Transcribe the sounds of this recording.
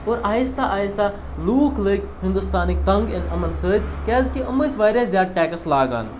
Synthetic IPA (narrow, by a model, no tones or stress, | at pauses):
oːɾaːjist̪aʔaːjist̪a | luːklək | ɦɪ̃nd̪ust̪aːnik̚t̪ɐŋɡɪnɐmɐnsəːd̪ʲkʲɛːzkiʔɐmːəjsʋaːjɾʲɐszʲjaːd̪̚ʈɛːkɐslaːɡa̰ːn